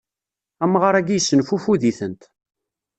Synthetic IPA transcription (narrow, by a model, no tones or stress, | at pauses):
æmːʁəɾˤæɡijsːənfufuðiθənt̪